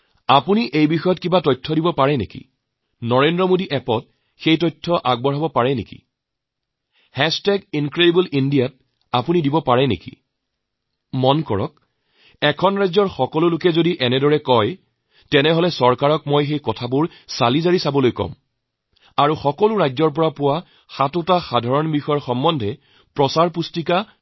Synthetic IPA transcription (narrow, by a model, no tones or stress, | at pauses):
apuniʔejbixɔjɔt̚kibatɔjtʰːɔdibɔpaɹɛnḛkḭ | nɔɹendɹɔmodiʔɛpɔt̚ | xejtɔjtʰːɔʔaɡ̚bɔɹabɔpaɹɛnḛkḭ | hɛstɛɡinkɹedibulindijat̚ | apunidibɔpaɹɛnḛkḭ | mɔnkɔ̰ɹɔ̰k̚ | ɛkʰɔnɹajzɔɹxɔkɔlʊlʊkɛzodiʔɛnɛdɔɹɛkɔj | tɛnɛɦɔlɛsɔɹkaɹɔkmojxejkɔtʰabʊɹ | salizaɹisabɔlojkɔ̰m | aɹuxɔkɔlʊɹajzɔɹp̬ɔɹapʊwa | xatʊtaxadʱaɹɔnbixɔjɔɹxɔmːɔndʱɛ | pɹɔsaɹpustika